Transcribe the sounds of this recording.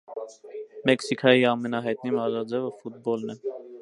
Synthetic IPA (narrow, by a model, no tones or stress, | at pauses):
mɛksikʰɑjiɑmɛnɑɦɑjt̪nimɑzɑd͡zɛvəfut̪̚bɔlnɛ